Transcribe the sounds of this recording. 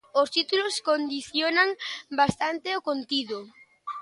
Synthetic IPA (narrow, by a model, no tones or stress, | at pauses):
ost̪it̪uloskond̪iθjonaŋbast̪ant̪eokont̪iðʊ